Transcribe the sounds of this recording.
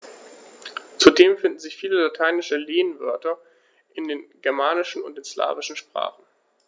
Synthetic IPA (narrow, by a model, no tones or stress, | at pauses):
t͡sudeːmfɪndn̩zɪçfiːləlatʰaɪnɪʃəleːənvœ̰ɐtɐ | ʔɪndeːnɡɛɐmaːnɪʃn̩ʊ̰ntd̥eːnsla̰ːvɪʃn̩ʃpʁ̥a̰ːχn̩